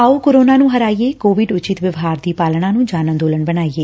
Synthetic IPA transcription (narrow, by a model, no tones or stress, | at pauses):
aːoːkoːɾoːnãːnũːɦəɾaːijeːkoːʋɪɖʊt͡ʃɪt̪ʋəʋɦaːɾd̪iːpaːlɳãːnũːd͡ʒaːnə̃nd̪oːləɳbənaːiːeː